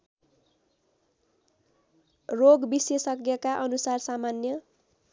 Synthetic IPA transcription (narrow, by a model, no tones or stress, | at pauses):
roɡbisesʌkjʌkaʔʌnusarsamanjʌ